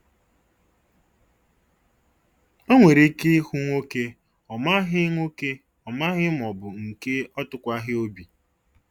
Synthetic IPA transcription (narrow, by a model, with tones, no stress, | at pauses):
o˦ŋʷe˨ɾe˦ke˦hu˦ŋʷo˦ke˦ | ɔ˨ma˦ɦɪ˦ŋʷo˦ke˦ | ɔ˨ma˦ɣɪ˦m˨ɔ˨bʊ˨ŋ̩˨ke˦ɔ˦tʊ˦kʷa˦ɦɪ˦o˦bi˨